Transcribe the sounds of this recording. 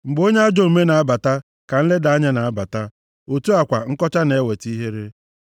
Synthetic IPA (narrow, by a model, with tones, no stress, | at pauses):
ŋ͡m̩˨ɡ͡bo˦ɲe˦a˦d͡ʒo˨u˨me˦na˨a˦ba˨ta˦ | ka˨n̩˦le˦da˨a˦ɲa˦na˨a˦ba˨ta˦ | o˨tu˦a˨kʷa˨ŋ̩˦kɔ˦t͡ʃa˦ne˨˦we˨ti˦ɦe˦ɾe˦